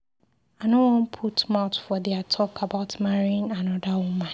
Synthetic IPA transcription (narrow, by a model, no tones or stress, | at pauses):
anõwɔ̃npʰutmaʊtfɔdɛatʰɔkʰabaʊtmaɹiɪ̃ŋãnɔdawɔ̃mã